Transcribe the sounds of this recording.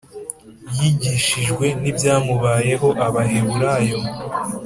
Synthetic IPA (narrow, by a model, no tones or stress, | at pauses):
jiɟiʃiʒɡwe̞nibjaːmuβaːje̞ɦo̞ʔaβaɦeβuɾajo̞